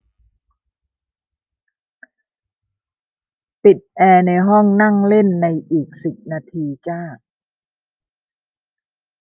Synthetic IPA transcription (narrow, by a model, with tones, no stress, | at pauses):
pi˨˩t̪̚ʔɛː˧na˧jɦɔ˥˩ŋna˥˩ŋle˥˩nːa˧jʔiː˨˩k̚si˨˩p̚naː˧t̪ʰiː˧t͡ɕaː˥˩k̚